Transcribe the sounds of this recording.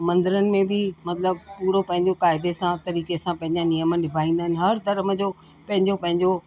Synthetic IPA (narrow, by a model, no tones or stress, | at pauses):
mɐ̃nd̪ɪɾənɪ̆mẽbɪmɐt̪ləb̚puːɾopɐ̃ɦɪ̃ɲd͡ʑokaːɪd̪esãt̪ɐɾiːkesãpɐ̃ɦɪ̃ɲd͡ʑanijəmənlɪbʱaːĩːnd̪aɦɪnɪ̆ɦɐɾd̪ɐɾməd͡ʑo | pɐ̃ɦɪ̃ɲd͡ʑopɐ̃ɦɪ̃ɲd͡ʑo